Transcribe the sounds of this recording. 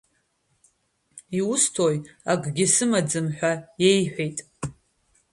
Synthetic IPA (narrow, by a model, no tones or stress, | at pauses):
iʊstʰojaɡʼɡʲɪsɨmad͡zɨmħʷᶣaje̞jħʷᶣejtʼ